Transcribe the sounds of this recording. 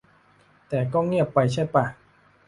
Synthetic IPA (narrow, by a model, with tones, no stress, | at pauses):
t̪ɛː˨˩kɔː˥˩ŋi˥˩əpːa˧jt͡ɕʰa˥˩jpa˧˩